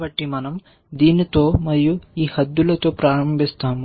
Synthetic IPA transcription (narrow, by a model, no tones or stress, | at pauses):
ʋɐʈːimɐnɐm | d̪iːnit̪o̞ːmɐɾijuiːhɐd̪ːulɐt̪o̞ːpɾaːɾɐmbʱist̪aːm